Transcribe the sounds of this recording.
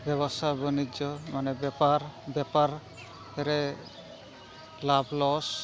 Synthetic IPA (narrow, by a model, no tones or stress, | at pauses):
bjɛbɔst̪ʰabɔnid͡ʒɔmanɛbɛpaɾbɛpaɾ | ɛɾɛ | lablɔs